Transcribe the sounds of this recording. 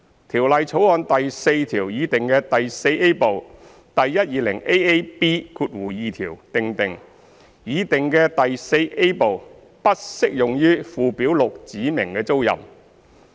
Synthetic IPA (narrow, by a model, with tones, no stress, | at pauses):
t̪ʰiː˨˩wlɐ˨jt͡sʰo˨˥whɔː˨˧nt̪ɐ˨jse˧jt̪ʰiː˨˩wjiː˨˧t̪ɪ˨ŋkɛː˧t̪ɐ˨jse˧je˥po˨˩w | t̪ɐ˨jːɐ˥t̚jiː˨˧lɪ̰˨˩ŋe˥je˥jpiː˥kʰuː˧t̚wuː˨˩jiː˨˧t̪ʰiː˨˩wt̪ɪ˨ŋt̪ɪ˨ŋ | jiː˨˧t̪ɪ˨˩ŋkɛː˧t̪ɐ˨jse˧jʔe˥jpo˨w | pɐ˥t̚sɪ˥k̚jʊ˨ŋjyː˥fuː˨pi˨˥wlʊ˨k̚t͡siː˨˥mɪ˨˩ŋkɛː˧t͡so˥wjɐ̰˨m